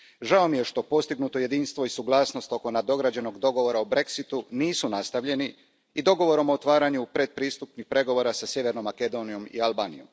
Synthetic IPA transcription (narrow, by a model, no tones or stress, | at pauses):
ʒaomije̞ʃt̪o̞po̞st̪iɡnuːt̪o̞je̞d̪iːnst̪ʋo̞isuɡlˠaːsno̞st̪o̞ko̞nad̪o̞ɡɾad͡ʑe̞no̞ɡd̪o̞ɡo̞ʋo̞ɾaobɾe̞ksit̪uniːsunast̪aʋʎe̞ni | id̪o̞ɡo̞ʋo̞ɾo̞moːt̪ʋaːɾaɲupɾe̞d̪̚pɾiːst̪upnixpɾe̞ɡo̞ʋo̞ɾasasje̞ʋe̞ɾno̞mːake̞d̪o̞nijo̞mḭalbaːnijo̞̰m